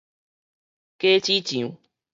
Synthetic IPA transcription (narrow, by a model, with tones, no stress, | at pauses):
ke˦t͡ʃi˦t͡ʃĩ˨ũ˨